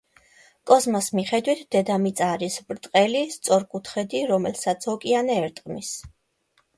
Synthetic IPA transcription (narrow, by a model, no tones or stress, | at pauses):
kʼɔzmɔsmiχɛd̪wit̪ʰd̪ɛd̪amit̪sʼaːɾisbɾt̪ʼqʼɛlist̪sʼɔɾkʼut̪ʰχɛd̪iɾɔmɛlsat̪sʰɔkʼianɛːɾt̪ʼqʼmis